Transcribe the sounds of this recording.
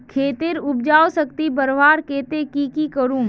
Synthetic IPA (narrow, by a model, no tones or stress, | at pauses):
kʰeːt̪ɪɾʊb̚d͡ʒaːosəkt̪ibəɾʋaːɾkeːt̪ekikikəɾũː